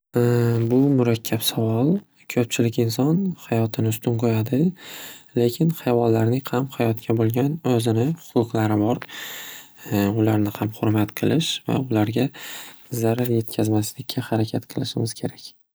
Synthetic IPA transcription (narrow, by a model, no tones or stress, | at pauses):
bʊmʊɾakʲʰːapsavɒlˠ | kʲʰɵp̚t͡ʃʰɪlɪkʲɪnsɒnhajɒt̪ʰɪnɪʊst̪ʊnqʰojad̪ɪ | le̞kʲʰɪnhajvɒlːaɾnɪŋqʰamhajɒt̪̚kʲʰabolˠɡʲanɵzɪnɪʊqʊqlˠaɾɪbɒɾ | ʊlaɾnɪhamχʊɾmat̪qʰɨlˠɪʃva̰ʊlaɾɡʲazaɾaɾje̞t̪̚kʲʰazmaslɪkʲʰːahaɾakʲʰat̪qʰɨlˠɪʃɪmʲɪz̥kʲʰe̞ɾakʲ